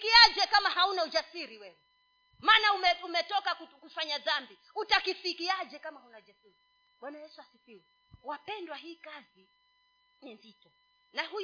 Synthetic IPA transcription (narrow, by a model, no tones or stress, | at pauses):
kiad͡ʒɛkamahaunaud͡ʒasiɾiwɛwɛ | maːnaumɛumɛtɔkakukufaɲaðambi | utakifikiad͡ʒɛkamahunaud͡ʒasiɾi | ɓwanajɛsuasifiɾi | wapɛndwaɦiːkazi | ninzitɔ | nahu